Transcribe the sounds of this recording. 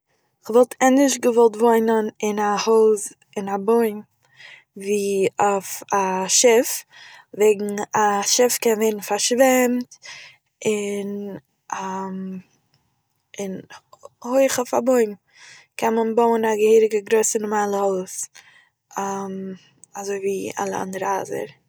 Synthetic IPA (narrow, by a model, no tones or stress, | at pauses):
χvɔlˠtʰɛnɪʃɡəvɔlˠtvoɪnənɪnahoːz | ɪnaboɪn | viːofaʃɪfveɪɡŋ̩aʃɪfkɛnveɪɾn̩faɾʃvɛmt | ɪn | am | ɪnhoɪχɔfa̰boɪm | kʰɛnmənboʊənaɡəhiːɾɪɡəɡɾoɪsənʊmaːlˠəhɔlˠs | am | azoɪviːa̰lˠəa̰ndəɾəa̰zə̰ɾ